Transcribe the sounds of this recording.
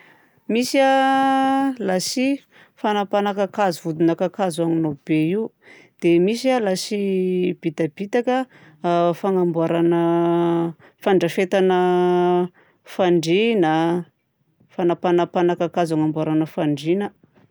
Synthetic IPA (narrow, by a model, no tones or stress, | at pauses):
misia | lasi | fanapanakakazuvud̪unakakazaŋinob̥eiu | d̪̥emisalasib̥it̪abit̪akə | faŋambuaɾanə | faɳɖ͡ʐəfet̪anə | faɳɖ͡ʐinə | fanapanapanakakazaŋambuaɾanəfaɳɖ͡ʐinə